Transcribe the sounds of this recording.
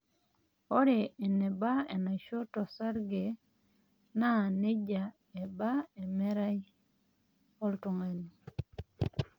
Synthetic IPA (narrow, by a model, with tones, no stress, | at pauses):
o˦ɾeː˨ne˨ba˦e˨na˨ʃo˦tɔ˨sa˦ɾɡe˨ | na˦˨ne˦d͡ʒa˨ | e˨ba˦e˨mɛ˦ɾa˦i˦ | o˦ltu˨ŋa˨ni˨